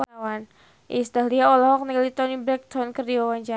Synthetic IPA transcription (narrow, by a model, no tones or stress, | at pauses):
awan | ʔḭst̪aliaɔlɔɦɔk̚nɛlit̪ɔnibɾɛk̚t̪ʰɔnkərdiɔwaɲd͡ʒa